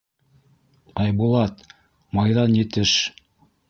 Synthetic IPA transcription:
ɑjbulˠɑt̪ | mɑjðɑnjɘ̆t̪ɘʃ

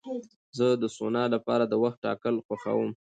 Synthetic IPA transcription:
zəd̪əsonɑlapɑɾad̪əwaxt̪̚ʈːɑ̰kəlxaxa̰wəm

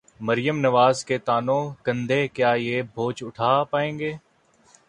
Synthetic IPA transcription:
məɾɪjəmnəʋaːzket̪aːnõːkə̃nd̪ʱeːkjaːjeːbʱoːt͡ʃʊʈʰaːpaːẽːŋɡeː

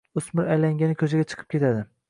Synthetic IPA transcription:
ʊsmɪɾajlaŋɡʲanɪkʲʰɵzɪɡʲat͡ʃʰɨ̥qʰɨ̥p̚kʰʲe̞t̪ʰad̪ɪ

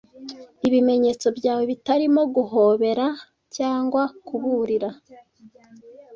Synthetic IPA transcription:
iβime̞ɲe̞ːt͡so̞bɟaːwe̞βitaɾimo̞ɡuɦo̞ːβe̞ɾa | caːŋɡwakuβuɾiɾa

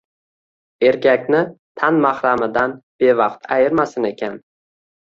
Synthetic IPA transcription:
e̞ɾkʲakʲnɪt̪ʰanmahɾamɪd̪anb̥e̞vɑqt̪ʰa̰jɪɾmasɪne̞kʲʰan

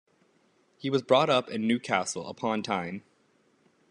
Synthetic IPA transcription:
hiwʌzbɹɔɾʌpɨ̃nːʉkʰæsl̩ˠə̰pʰɑ̃ntʰãɪ̃m

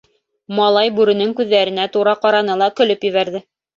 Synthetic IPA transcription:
mɑlˠɑjbʉɾɘ̆nɘŋkʉðːæɾɘ̆næt̪uɾɑqɑɾɑnɤlˠɑkɵ̆lɵpjɵ̆βæɾðɘ

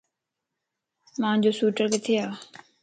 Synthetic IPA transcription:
mãːɲd͡ʑoːsuːʈəɾkeːt̪ʰɪjaː

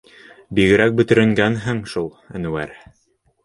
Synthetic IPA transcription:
biɣɘ̆ɾæk̚bɵ̆t̪ɘ̆ɾɘ̆ŋɡænɦɘŋʃulˠɘ̰̆nwæ̰ɾ

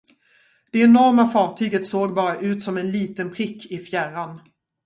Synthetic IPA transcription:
d̪̥ɛɛnɔɾmafɑːʈʰyːɡət̪soːɡbɑːɾaʔʉ̟ːt̪sɔmɛnliːt̪ənpʰɾɪkʰːɪfjæran

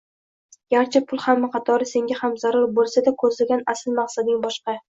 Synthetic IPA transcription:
jʲaɾt͡ʃʰɪpʰʊlˠhamːaqʰɑt̪ʰɒɾɪse̞ŋɡʲahamzaɾʊɾbolˠsad̪akʰɵzlɪɡʲanasɪlmaqsad̪ɪŋbɒʃqɑ

